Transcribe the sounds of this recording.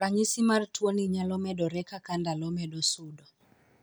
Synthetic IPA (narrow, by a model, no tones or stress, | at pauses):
aɲisimartwoniɲalɔmɛɗɔɾɛkakandalɔmɛɗɔsudɔ